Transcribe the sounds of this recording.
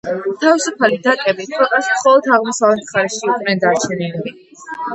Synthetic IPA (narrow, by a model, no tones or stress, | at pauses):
t̪ʰavisupʰalid̪akʼɛbit̪ʰwɛlˠk̪ʼasmχɔlˠɔd̪aʁmɔsavlɛt̪mχaɾɛʃiukʼnɛnd̪aɾt͡ʃʰɛnilili